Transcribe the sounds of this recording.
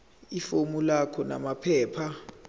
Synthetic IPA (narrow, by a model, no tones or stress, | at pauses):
ifomulakʰɔna̰mapʰɛːpʰa